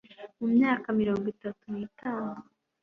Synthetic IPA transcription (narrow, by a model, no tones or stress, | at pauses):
mumɲaːkamiɾo̞ːŋɡitatuniːtaːnu